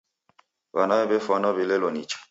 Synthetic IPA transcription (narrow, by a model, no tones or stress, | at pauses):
βanaɛbefɔnɔbilelɔnḭt͡ʃḁ